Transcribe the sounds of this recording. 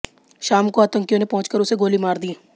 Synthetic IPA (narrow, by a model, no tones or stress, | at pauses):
ʃaːmkoaːt̪ə̃ŋkijõnepɔ̃ɦʊ̃t͡ʃkəɾʊseɡoːlimaːɾd̪ieː